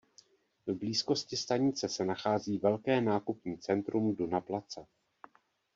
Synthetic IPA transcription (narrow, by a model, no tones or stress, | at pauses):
vbliːsko̞scɪst̪aɲɪt͡sɛsɛnaxaːziːvɛlkɛːnaːkupɲiːt͡sɛnt̪ɾʔumdunaplat͡sa